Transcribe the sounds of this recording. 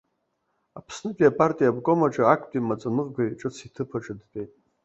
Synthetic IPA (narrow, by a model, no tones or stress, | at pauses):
apʰsnɨpʼiapʼartʼijabkʼomaʈ͡ʂʼaːkʷʰtʼimat͡sʼamɨʁɡʷajʈ͡ʂʼɨt͡sʰitʰɨpʰaʈ͡ʂʼadtʼe̞jtʼ